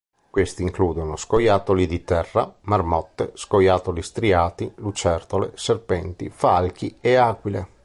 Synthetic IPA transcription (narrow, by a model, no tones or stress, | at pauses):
kwest̪iːŋkluːd̪onoskojaːt̪olid̪it̪ɛrːamarmɔt̪ːeskojaːt̪olist̪ɾiaːt̪ilut͡ʃɛrt̪olḛserpɛnt̪ḭfalk̟ieaːkwile